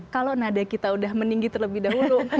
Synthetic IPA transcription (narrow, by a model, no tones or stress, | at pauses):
kalonadakit̪audahməniŋɡit̪ərləbɪhdaɦulʊ